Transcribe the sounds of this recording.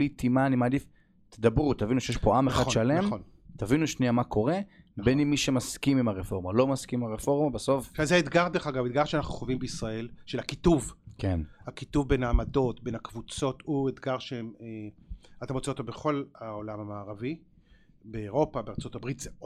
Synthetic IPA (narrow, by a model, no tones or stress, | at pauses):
lit̪ʰimanimaːd̪if | t̪ed̪abʁut̪avinuʃejeʃpoʔameχadʃale̞mn | t̪avinuʃniamakʰo̞ʁe̞bennimːiʃemaskimimaʁefo̞ʁmalo̞maskimaʁefo̞ʁmabeso̞fazeaet̪ɡaʁdeχaɡavet̪̚ɡaʁʃeanaχnuχovimbeisʁae̞lʃelakituvkenakit̪uvbenaːmado̞t̪benhakvut͡so̞t̪uet̪ɡaʁʃeemeat̪amot͡seot̪obeχo̞laolamamaːʁavi | beːʁo̞pabeʁt͡so̞t̪abʁit̪ze